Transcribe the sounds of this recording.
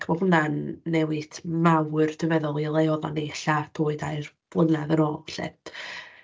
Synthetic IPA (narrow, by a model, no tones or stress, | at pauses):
kʰmɔvlənanːɛwɨtʰmawɨrd̥əvɛðɔlˠilˠejɔðanejɬad̥ʰoːɨdaɨr | vlˠənaðənɔːɬɛ̰d